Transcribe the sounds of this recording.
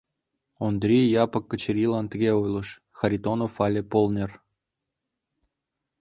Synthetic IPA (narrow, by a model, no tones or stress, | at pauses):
ond̪rʲijjɑpɤkːə̆t͡ɕeɾʲilɑnt̪ə̆ɣʲeojlˠɤ̆ʃ | xɑɾʲit̪onofɑlʲepolnʲer